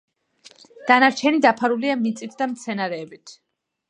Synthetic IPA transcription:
d̪̥anaɾt͡ʃʰɛnid̪apʰaɾuliamit̪sʼit̪ʰd̪amt̪sʰɛnaɾɛːbit̪ʰ

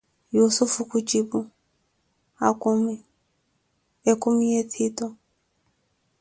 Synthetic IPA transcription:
jusufukut͡ʃibu | akumi | ekumietʰitɔ

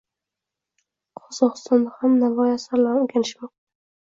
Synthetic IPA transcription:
qʰɒzɒqɨ̥st̪ɒnd̪ahamnavɒjasaɾlaʊɡʲanɪʃma

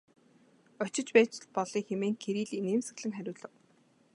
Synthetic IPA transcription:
ɔt͡ɕɪ̆t͡ɕpæːt͡ɕ̆ɮpɔɮiːxemeːŋkʰeɾiːɮeneːmsɘ̆ɣɮɘ̆ŋχæɾʲʊːɮə̆w

